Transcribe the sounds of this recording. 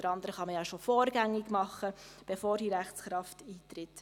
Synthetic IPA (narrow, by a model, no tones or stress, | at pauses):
əɾɑnd̪əɾəχɑməjɑʃofɔːɾɡæŋːɪɡmɑχəb̥efoːɾd̥iɾæχt͡sχɾɑftiːt̪ɾɪt